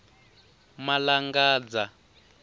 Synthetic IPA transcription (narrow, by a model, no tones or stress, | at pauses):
malaŋɡaːd͡za